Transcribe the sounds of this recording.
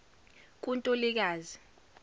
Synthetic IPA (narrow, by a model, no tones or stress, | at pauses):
k̬ʼuntʼolik̬aːzi